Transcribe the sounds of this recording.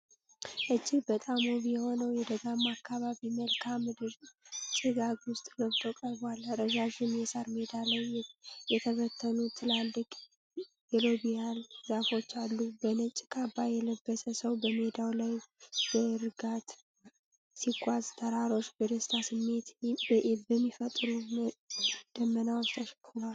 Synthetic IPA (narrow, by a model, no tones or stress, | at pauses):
ʔɨd͡ʒːibət̪ʼamoβijɛho̞nəwjɛd̪əɡamakʰːaβaβiməlkʰamɨd̪ɨɾt͡ʃʼɨɡaɡwʊst̪ʼləβt̪ʰokʼəɾbalɾəʒaʒɪnjɛsaɾmed̪alajjɛt̪ʰəβət̪ʰːənut̪ʰɨlalːɨkʼ | jɛlobijalzafo̞t͡ʃːalːubənət͡ʃʼːɪkʰʼabːajɛləbːəsəsəwbəme̞d̪awlajb̥əɾɨɡat̪ | siɡʷʼazt̪ʰəɾaɾo̞t͡ʃːbəd̪əst̪ʰasɨmːe̞t̪ | bəmːifət̪ʼɾu | d̪̥əmːənawnt̪ʰəʃkʰːuɾal